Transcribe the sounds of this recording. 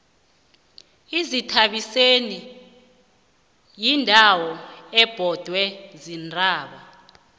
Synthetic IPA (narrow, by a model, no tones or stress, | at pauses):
izitʰaɓiseni | jindʱawɔɛb̥ʱɔd̥ʱwɛzindʱʼaːɓa